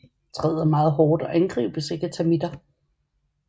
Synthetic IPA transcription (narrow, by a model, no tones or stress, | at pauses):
t͡sʰʁɛːð̰ˠɐmɑ̈ːð̞̩ˠɦɒːd̥ɒ̽ʔænɡ̥ʁḭːb̥əse̝ɡ̥ət͡sʰæmid̥ɐ